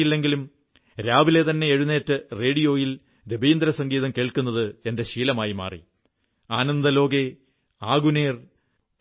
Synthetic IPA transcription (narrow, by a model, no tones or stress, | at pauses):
ilːe̞ŋɡilum | ɾaːʋile̞t̪ɐnːe̞eɻune̞ːtːɨre̞ːɽijo̞ːjil | ɾebʱiːnd̪ɾɐsɐŋɡiːðɐmkeːɭkunːɐðɨe̞nde̞ɕiːlɐmaːjima̰ːrḭ | aːnɐnd̪ɐlo̞ːɡe̞ | aːɡuneːr